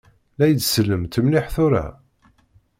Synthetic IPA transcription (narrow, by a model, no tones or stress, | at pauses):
læjəd̪səlːəmt̪əmlɪħθʊɾæ̰